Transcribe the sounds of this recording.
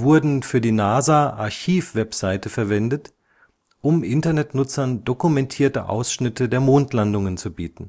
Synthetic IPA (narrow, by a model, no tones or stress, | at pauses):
vʊɐdn̩fyːɐdiːnaːzaːʔa̰ɐçiːfv̥ɛpz̥aɪtəfɛɐvɛndət | ʔʊmʔɪntɐnɛtnʊt͡sɐndokumɛntʰiːɐtəʔa̰ʊsʃnɪtədeːɐmoːntlandʊŋənt͡subiːtn̩